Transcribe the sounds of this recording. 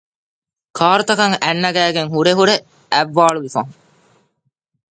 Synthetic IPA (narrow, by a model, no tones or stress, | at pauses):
kʰaːɾut̪ɐkɐŋænːɐɡæːɡeŋɦuɾeɦuɾe | æʋːaːɭuʋifɐɦũ